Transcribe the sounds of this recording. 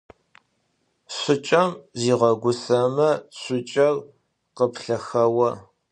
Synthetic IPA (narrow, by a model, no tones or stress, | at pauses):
ɕʷʊt͡ʃʼɐmziːʁɐɡʷʊsɐmɐɕʷʊt͡ʃʼɐr | qəpɬɐxɐwɐ